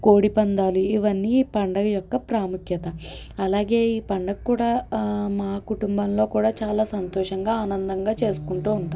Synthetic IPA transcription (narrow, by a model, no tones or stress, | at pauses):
ko̞ːɽipɐnd̪aːliiʋɐnːipɐɳɖɐjɔkːɐpɾaːmukjɐt̪ɐ | ɐlaːɡe̞ːiːpɐɳɖɐkkːuːɽaːmaːkuʈumbɐmlo̞ːkuːɽaːt͡ʃaːlaːsɐnt̪ɔːʂɐŋɡaːaːnɐnd̪ɐŋɡaːt͡ʃe̞ːsu̥kuɳʈuːuɳʈaː